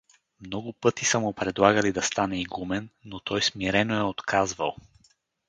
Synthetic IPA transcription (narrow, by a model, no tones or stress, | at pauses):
mnɔɡʊpɤt̪isəmʊpɾɛd̪lˠaɡəlid̪ɐst̪anɛiɡumɛnːot̪ɔjsmiɾɛnoɛot̪kʰazvə̰lˠ